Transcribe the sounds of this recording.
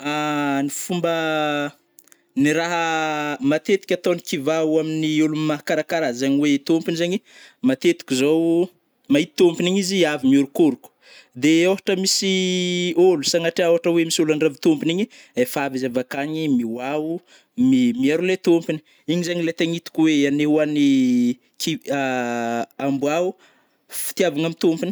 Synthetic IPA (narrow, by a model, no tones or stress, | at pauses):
anifumbə | niɾaɦəmat̪et̪i̥kʲat̪onikivauaminiulumimaɦakaɾakaɾazaɲiwet̪ompinizaɲi | mat̪et̪i̥kʲizow | maɦit̪ompiniɲiziavimioɾukuɾuku̥ | d̪eoɦaʈ͡ʂəmisi | olusaŋaʈ͡ʂeaɦaʈ͡ʂəwemisolaɳɖ͡ʐavit̪ompiniɲi | efavizavakaɲimiwau | mimiaɾulet̪ompini̥ | iɲizaɲilet̪aŋit̪u̥kweanewani | kia | ambuau | fi̥t̪iavaŋamit̪ompini̥